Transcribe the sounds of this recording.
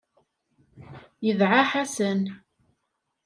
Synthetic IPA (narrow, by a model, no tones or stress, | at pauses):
jəðʕaħæsən